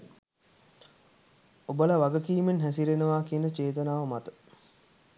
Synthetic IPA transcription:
obəlaʋaɡəkiːmenɦæsiɾenəʋaːkiənət͡ʃeːt̪ənaːʋəmat̪ə̥

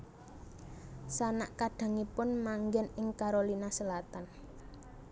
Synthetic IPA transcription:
sana̰ʔkaɖ̥a̤ŋipʊnmaŋɡɛnɪŋkaɾolinasəlat̪an

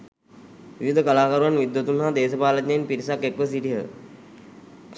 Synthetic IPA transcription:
ʋiʋid̪ʱəkɐlaːkəɾuʋanʋid̪jut̪unɦaːd̪eːsəpaːlət̪ɲeinpiɾisakːekʋəs̬iʈiɦə

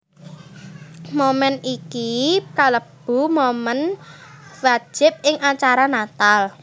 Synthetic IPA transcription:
momɛnikikaləb̥ṳmomən | wḁd͡ʒ̥ɪp̚ɪŋat͡ʃaɾanat̪al

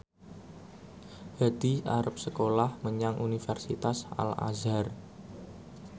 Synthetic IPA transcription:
had̪̥iaɾap̚səkolahməɲaŋʔunifɛrsit̪asa̰la̰zar

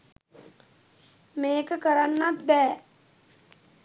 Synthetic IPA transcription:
meːkəkəɾanːat̪̚bɛː

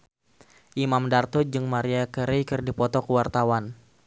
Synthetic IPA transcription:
ʔimamdart̪ɔd͡ʒɨŋmaɾiakəɾejkɨrdipɔt̪ɔkəwart̪awan

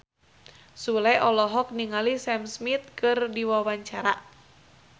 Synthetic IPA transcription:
sulɛʔɔlɔɦɔk̚niŋalisɛmsmit̪̚kɨrdiwawaɲt͡ʃaɾa̰

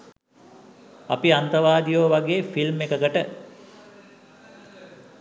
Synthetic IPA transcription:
apiant̪əʋaːd̪ijoːʋaɡeːfilmekəkəʈə

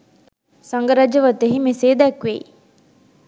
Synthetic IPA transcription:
sɐŋɡɐɾɐd͡ʒɐʋɐt̪eɦimeseːd̪ækʋḛ

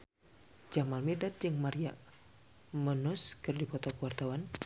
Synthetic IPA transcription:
d͡ʒamalmidat̪̚d͡ʒɨŋmaɾia | mənʊskɨrdipɔt̪ɔkuwart̪awan

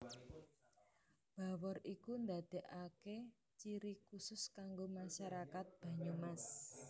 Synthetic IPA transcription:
b̥a̤wɔrikund̪ad̪̥e̤ʔake | t͡ʃiɾikusʊskaŋɡomaʃaɾakat̪̚b̥ä̤ɲumas

